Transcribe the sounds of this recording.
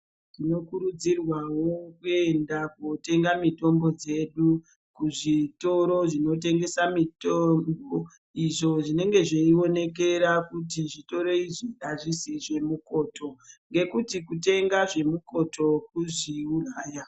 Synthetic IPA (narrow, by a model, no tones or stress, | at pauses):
tino̞kuɾud͡zirwawo̞kue̞ndakote̞ŋɡamito̞mbo̞d͡ze̞ɗu | kuʐito̞ɾo̞ʐino̞t̬e̞ŋɡe̞samitombo | iʐo̞ʐine̞ŋɡe̞ʐeio̞ne̞k̬e̞ɾakutiʐito̞ɾo̞iʐiɗaʐisiʐe̞muko̞ːto̞ŋɡe̞kutikute̞ŋɡaʐe̞muko̞tʰo̞k̚uʐiuraːja